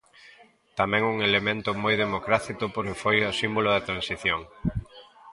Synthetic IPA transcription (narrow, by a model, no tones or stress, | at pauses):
t̪amɛ̃ŋuŋelemẽnt̪ʊmojðemokɾaθik̪ʊpoɾkɪfojosimbolʊðat̪ɾãnsiθjoŋ